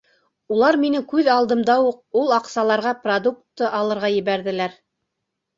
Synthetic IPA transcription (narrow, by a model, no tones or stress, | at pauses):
ulˠɑɾminɘkʉðɑlˠd̪ɤ̆md̪ɑwuq̚ulˠɑqsɑlˠɑɾʁɑprod̪uk̚t̪ːɤʔɑlˠɤ̆ɾʁɑjɘ̆βæɾðɘ̆læɾ